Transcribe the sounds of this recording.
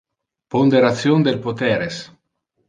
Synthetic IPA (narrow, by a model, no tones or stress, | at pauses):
pond̪eɾat̪sjond̪elpot̪ɛɾes